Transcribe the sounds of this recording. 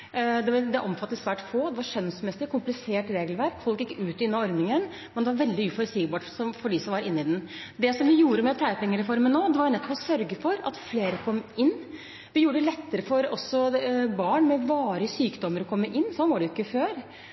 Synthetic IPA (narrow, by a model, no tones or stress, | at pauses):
d̪ɛʋɑɾd̪ɛʔɔmfɑt̪ːəsʋæːʈfoːd̪ɛʋɑɾʂœnsmɛsɪkʰːʊmplɪseːʈɾeːɡlʋæɾkfɔlkjɪkːəʉːt̪ɪʉnːɑɔɾd̪nɪŋən | mɛnd̪ɛʋɑɾʋɛld̪ɪʉːfɔɾsiːɡbɑːʈsɔmfɔɖɪsɔmʋɑɾɪnːɪd̪ɛnd̪ɛsɔmʋɪjuːɾəmɛt̪ʰæɪəpʰɛŋːəɾɛfɔɾmənoːd̪ɛʋɑɾʊnɛt̪ːɔpɔsœɾɡəfɔɾɑ̰t̪fleːɾəkʰɔmːɪnː | ʋɪjuːɖəd̪ɛlɛt̪ːəɾəfɔɾɔsːɔbɑːɳmɛʋɑːɾəsyːkd̪ɔmːəɾɔkʰɔmːəʔɪnːsɔnʋɑːɖɛjʏkːəføːɾ